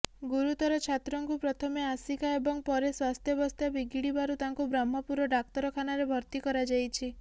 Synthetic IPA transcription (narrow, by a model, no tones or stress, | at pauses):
ɡuɾut̪ɔɾɔt͡ʃʰat̪ɾɔŋkupɾɔt̪ʰɔmeasikaebɔŋpɔɾeswast̪ʰjɔbɔst̪ʰjabiɡiɽibaɾut̪aŋkubɾamːɔpuɾɔɖak̚t̪ɔɾɔkʰanaɾebʱɔɾt̪ikɔɾad͡ʒajt͡ʃʰi